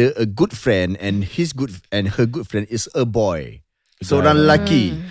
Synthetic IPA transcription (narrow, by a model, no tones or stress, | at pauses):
əʔəɡud̚fɹɛ̃nɛ̃nhisɡud̚ɛ̃nhəɡud̚fɹɛ̃ndisəbɔj | sodãnlaki